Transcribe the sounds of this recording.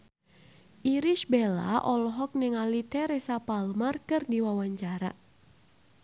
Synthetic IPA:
ʔiɾiʃbɛla̰ʔɔlɔɦɔk̚nɛŋalit̪ɛɾɛsapalmarkɨrdiwawaɲt͡ʃaɾa̰

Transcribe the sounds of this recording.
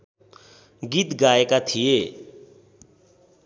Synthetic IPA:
ɡit̪ɡaekat̪ʰije

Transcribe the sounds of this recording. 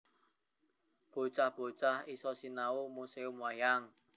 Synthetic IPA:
b̥o̤t͡ʃahb̥o̤t͡ʃahisɔsinaumuseʊmwajaŋ

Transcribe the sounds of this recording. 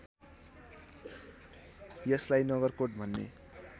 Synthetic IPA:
jʌslajnʌɡʌrkoʈbʱʌnːḛ

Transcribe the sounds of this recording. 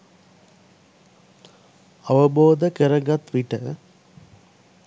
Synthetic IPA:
ɐʋɐboːd̪ɐkəɾɐŋɡɐt̪ʋiʈə

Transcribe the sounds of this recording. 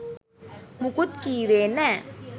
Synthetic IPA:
mukʊt̪̚kiwenɛ

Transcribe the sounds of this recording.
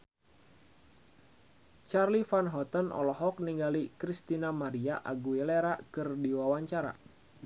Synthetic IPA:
t͡ʃarlifanɦɔt̪ənʔɔ̰lɔɦɔk̚niŋɡalikɾist̪inamaɾiaʔa̰ɡuileɾakɨrdiwawaɲt͡ʃaɾa̰

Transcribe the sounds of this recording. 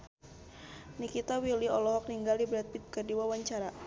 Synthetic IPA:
nikit̪awiliɔlɔɦɔk̚niŋɡaldibɾɛt̪̚pit̪̚kərdiwawaɲt͡ʃaɾa

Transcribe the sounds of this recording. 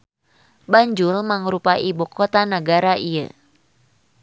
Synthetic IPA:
baɲd͡ʒulmaŋɾupaʔibukot̪anəɡaɾaʔijə̰

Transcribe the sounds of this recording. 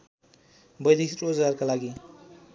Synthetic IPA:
bʌjliktod͡zarkalaɡi

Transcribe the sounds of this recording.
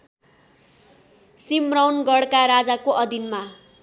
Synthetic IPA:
simrawnɡʌɽkaɾad͡zakoʔʌd̪ʱinma

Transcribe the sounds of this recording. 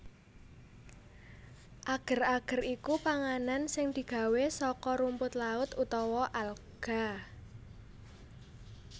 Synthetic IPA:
ʔaɡ̥ə̤raɡ̥ə̤rikupaŋanansɪŋd̪̥i̤ɡ̥ä̤wesɔkɔɾumpʊt̪laʊt̪ut̪ɔwɔʔalɡ̥a̤

